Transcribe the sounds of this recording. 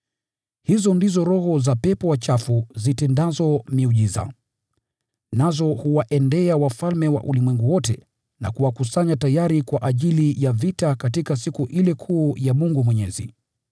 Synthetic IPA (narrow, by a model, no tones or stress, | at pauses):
hizɔndizɔɾɔhɔzapɛpɔwat͡ʃafuzitɛndazɔmiuʄiza̰ | nazɔhuwaʔɛndɛawafalmɛwa̰ʔṵlimwɛŋɡuwɔtɛ̰ | na̰kuwakusaɲatajaɾikwaʔaʄilijavitakatikasikuʔilɛkʰuːjamuŋɡumwɛɲɛzḭ